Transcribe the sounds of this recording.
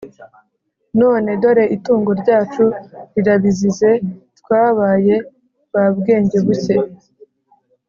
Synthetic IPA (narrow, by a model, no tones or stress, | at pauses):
no̞ːne̞do̞ɾe̞ʔituːŋɡo̞ɾɟaːt͡ʃuɾiɾaβizize̞twaːβaːje̞ | βabɡe̞ːɲɟe̞βuce̞